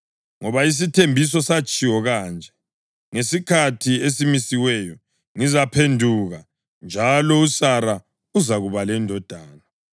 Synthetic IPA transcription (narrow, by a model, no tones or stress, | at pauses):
ŋɔβais̬itʰembʱis̬ɔsat͡ʃʼiwɔɣaːnd͡ʒʱɛ | ŋesikʰatʰiesimisiwɛjɔ | ŋizapʰendʱuɣa | nd͡ʒʱalɔusaɾa | uzaɣuβalɛndʱɔd̥ʱaːna